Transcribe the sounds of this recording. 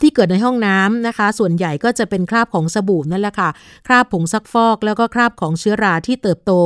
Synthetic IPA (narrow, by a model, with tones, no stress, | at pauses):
t̪ʰiː˥˩kɤː˨˩t̪̚na˧jɦɔ˥˩ŋnaː˦˥mna˦˥kʰa˦˥su˨˩ənja˨˩jkɔː˥˩t͡ɕa˨˩ʔpe˧nkʰɾaː˥˩p̚kʰɔː˩˦ŋsa˧buː˨˩m̚na˥˩˨lɛ˨˩kʰa˥˩ | kʰɾaː˥˩pʰːo˩˦ŋsa˦˥k̚fɔː˥˩k̚lɛː˦˥wkɔː˥˩kʰɾaː˥˩p̚kʰɔː˩˦ŋt͡ɕʰɯ˦˥ɐɾaː˧t̪ʰiː˥˩t̪ɤː˨˩p̚t̪oː˧